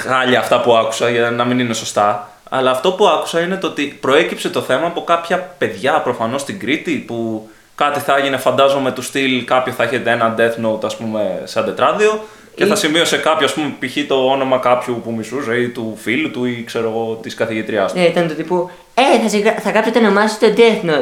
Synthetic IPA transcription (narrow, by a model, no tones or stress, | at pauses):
ɣɐʎɐːft̪ɐpuɐku̥sɐʝɐnɐminine̞so̞st̪ɐ | ɐ̰lɐːft̪o̞puɐku̥sɐine̞t̪oo̞t̪ipɾo̞e̞cipse̞t̪o̞θe̞mɐːpo̞kɐpçɐpe̞ðʝɐpɾo̞fɐno̞st̪iŋɡɾit̪ipu | kɐt̪iθɐʝine̞fɐnd̪ɐzo̞me̞t̪ust̪ilkɐpçoθɐeçe̞t̪eenɐd̪e̞θnot̪ɐspume̞sɐd̪e̞t̪ɾɐðio̞ | ceθɐsimio̞se̞kɐpçoɐspumepiçit̪o̞ono̞mɐkɐpçupumisuzeit̪ufilut̪uikse̞ɾo̞ɣo̞t̪iskɐθiʝit̪ɾiɐst̪it̪ɐnt̪ut̪ipu | eθɐsiɣɐθɐkɐpset̪enomɐsit̪od̪eθno